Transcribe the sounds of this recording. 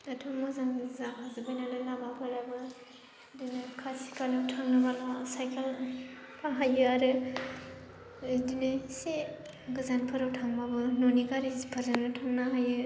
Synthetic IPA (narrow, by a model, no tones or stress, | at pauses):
atʰɯmɔzaŋzaɦazɯbajnalalabapʰɯɾabɯ | dɯnɯkʰasi̥kalɯwtʰaŋnɯbalasajkʰal | pʰaɦajɯaɾɯ | dinese | ɡɯzanpʰɯɾawtʰaŋbabɯnoniɡaɾizipʰɯɾzanɯtʰaŋnaɦajɯ